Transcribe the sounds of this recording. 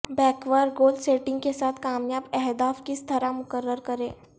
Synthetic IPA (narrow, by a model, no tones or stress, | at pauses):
bɛːkʋaːɾɡoːlɖseːʈɪ̃ŋɡkesaːt̪ʰkaːmjaːbɛɦd̪aːfkist̪ʰəɾamʊkəɾːəɾkəɾẽː